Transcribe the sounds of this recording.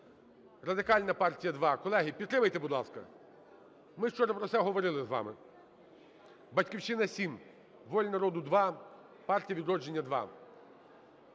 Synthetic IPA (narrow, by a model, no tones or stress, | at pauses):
rɐd̪ɪkɑlʲnɐpɑrtʲijɐd̪ʋɑkɔlˠɛɦʲipʲid̪t̪ːɾɪmɐjt̪ebʊd̪lˠɑskɐ̰ | mɪʃt͡ʃɔɾɐpɾɔt̪sɛɦɔʋɔɾɪlˠɪzʋɑ̰mɪ | bɐtʲkʲiwt͡ʃɪnɐsʲim | ʋɔlʲnɐɾɔd̪ʊd̪ʋɑ | pɑrtʲijɐʋid̪ɾɔd͡ʒe̞nʲːɐd̪ʋɑ̰